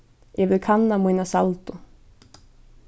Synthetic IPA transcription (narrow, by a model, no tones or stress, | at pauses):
ɛvɪðkʰanːamuijnasalt̪ʊ